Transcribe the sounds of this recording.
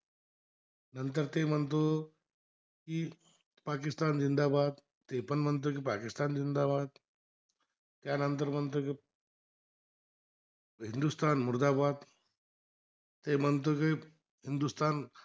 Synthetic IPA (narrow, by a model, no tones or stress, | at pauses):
nənt̪əɾt̪eːm̤ənt̪o | ki | paːkist̪aːnzind̪aːbaːd̪̚ | t̪epənm̤ənt̪̬ok̬ipaːkist̪aːnd͡zind̪aːbaːd̪ | t̪jaːnənt̪̬əɾmənt̪̬oki | ɦind̪ust̪aːnmuɾd̪aːbaːd̪ | t̪em̤ənt̪̬oki | ɦind̪ust̪aːn